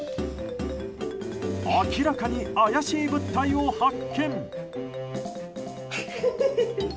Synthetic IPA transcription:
akʲiɾakaɲiajaɕiːbɯ̟t̪ːaiohakʰːẽ̞ŋ

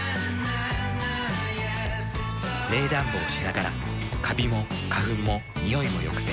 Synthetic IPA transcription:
ɾe̞ːd̪ãmboːɕinaɡaɾa̰ | kʰabʲimo̞ | kaɦɯ̟mːo̞ | ɲʲijo̞imo̞̰jo̞̰kɯ̥se

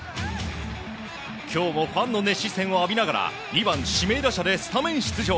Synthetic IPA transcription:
kʲʰo̞ːmo̞ɸãnːo̞ne̞ɕisẽ̞ɰ̃o̞abʲinaɡaɾa̰ | nʲibãɰ̃ɕime̞ːd̪aɕad̪e̞sɨ̥t̪amẽ̞ɰ̃ɕi̥t͡sɨʑo

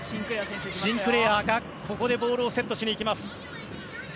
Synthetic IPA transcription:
ɕĩmpɯ̟ɾe̞ːaːɡa | kʰo̞ko̞d̪e̞bo̞ːɾɯ̟ːse̞t̪ːo̞ɕiɲʲiːkʲimasɨ̥

